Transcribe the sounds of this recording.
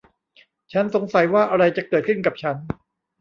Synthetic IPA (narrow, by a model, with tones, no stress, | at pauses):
t͡ɕʰa˦˥nso˩˦ŋsa˨˩˦jwaː˥˩ʔa˧ɾa˧jt͡ɕa˨˩kɤː˨˩t̪̚kʰɯ˥˩nka˨˩p̚t͡ɕʰa˦˥n